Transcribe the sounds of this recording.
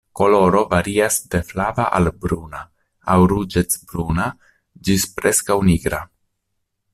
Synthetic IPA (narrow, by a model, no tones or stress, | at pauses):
ko̞lo̞ɾo̞vaɾiasde̞flavaʔalbɾuna | awɾud͡ʒet͡sbɾuna | d͡ʒispɾeskawniɡɾa